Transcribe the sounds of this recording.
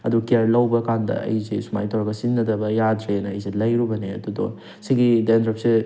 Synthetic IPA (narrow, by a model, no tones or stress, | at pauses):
ɐdukiaɾlɐwbɐkandɐ̰ɐ̰jzesuma̰jtɔɾaɡɐsinːɐdɐbɐjadɾenɐːjzelɐjɾubɐneɐ̰dudɔ̰ | siɡidendɾɐpse